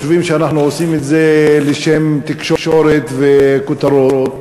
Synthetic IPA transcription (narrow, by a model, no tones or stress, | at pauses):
ʃuvimʃeanaχnuosimet̪zeleʃemt̪ikʃoʃoɾet̪vekut̪aɾot̪